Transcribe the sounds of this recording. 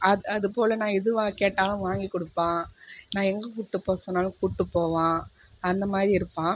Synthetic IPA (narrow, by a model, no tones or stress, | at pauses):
ʔɐɐðɯpoːlɐnãːɪðɯʋaːkeːʈːaːlʊ̃ʋaːŋɡikːɔɽɯpːãːnãːɛŋɡɐkuːʈːɯpːoːsɔnːaːlɯ̃kuːʈːɯpːoːʋãː | ɐnd̪ɐmaːðɾiɪɾɯpːãː